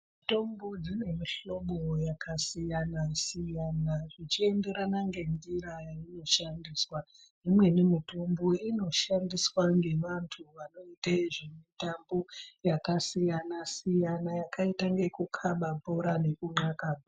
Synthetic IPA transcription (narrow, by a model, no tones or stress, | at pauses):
mito̞mbod͡zine̞miɬo̞ɓojakasijanasijanaʐit͡ʃie̞nde̞ɾanaŋɡe̞ndiɾajaino̞ʃandiswa | d͡zimwe̞ne̞mitombo̞ino̞ʃandiswaŋɡe̞ʋantʰuʋano̞itaiʐemitambo̞jakasijanasijanajakaitaŋɡe̞kukʰaɓapoɾane̞kuŋ͡ǃakaːma